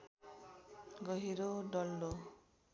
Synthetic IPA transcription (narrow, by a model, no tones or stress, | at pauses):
ɡɔɦiɾoɖɔlːo